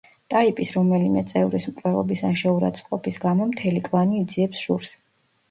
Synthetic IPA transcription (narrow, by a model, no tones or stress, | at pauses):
t̪ʼaipʼisɾɔmɛlimɛt̪sʼɛvɾismqʼwɛlˠɔ̰bisanʃɛuɾa̰t̪sʼqʼɔpʰisɡamɔmt̪ʰɛlikʼlˠaniːd̪ziɛpsʒuɾs